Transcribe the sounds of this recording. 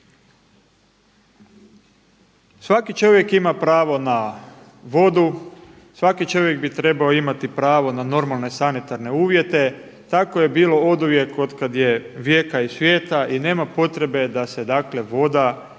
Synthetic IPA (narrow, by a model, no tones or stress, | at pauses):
sʋakit͡ʃo̞ʋje̞kimapɾaːʋo̞na | ʋo̞d̪u | sʋakit͡ʃo̞ʋje̞k̚bit̪ɾe̞baoimat̪ipɾaːʋo̞nano̞ɾmalˠne̞sanit̪aɾne̞uːʋje̞t̪e̞t̪akoje̞biːlo̞o̞d̪uʋje̞ko̞d̪kad̪je̞ʋjeːkaisʋje̞ːt̪aʔine̞ːmapo̞t̪ɾe̞be̞d̪ase̞d̪akle̞ʋo̞d̪a